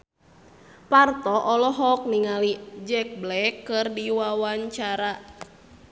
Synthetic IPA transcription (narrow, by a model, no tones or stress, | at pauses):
part̪ɔʔɔlɔɦɔk̚niŋalid͡ʒɛk̚blɛkːɨrdiwawaɲt͡ʃaɾa